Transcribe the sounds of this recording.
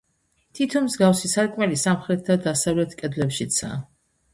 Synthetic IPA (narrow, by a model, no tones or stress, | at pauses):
t̪ʰit̪ʰɔnmzɡafsisaɾkʼmɛlisamχɾɛt̪̚ʰd̪ad̪asavlɛt̪ʰkʼɛd̪lɛpʃit̪sʰa̰